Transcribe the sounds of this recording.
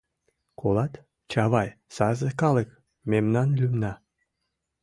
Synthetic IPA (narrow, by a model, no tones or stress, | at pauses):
kʰolɑt̪ | t͡ɕɑβɑjsɑzekɑlek | memnɑnlʲymnɑ